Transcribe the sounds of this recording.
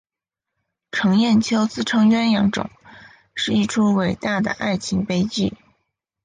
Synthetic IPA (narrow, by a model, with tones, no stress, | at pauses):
ʈ͡ʂʰɤ˧˥ŋjɛ˥˩nt͡ɕʰjo˥ʊt͡sɹ̩˥ʈ͡ʂʰɤ˥ŋɥɛ˥njɑ˧˥ŋʈ͡ʂʊ̰˨˩˦ŋ | ʂɻ̩˥˧i˥˩ʈ͡ʂʰu˥we˨˩ɪt̪a˥˩d̪ə̰˩ʔa˥˩ɪt͡ɕʰi˧˥ŋpe˥ɪt͡ɕi˥˩